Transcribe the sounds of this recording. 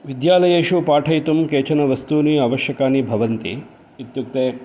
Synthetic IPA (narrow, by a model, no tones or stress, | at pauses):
ʋid̪jaːlɐjeːʂupaːʈʰɐjt̪umkeːt͡ʃɐnɐʋɐst̪uːniɐʋɐʃjɐkaːnibʱɐʋɐnt̪ḭ | it̪juk̚t̪eː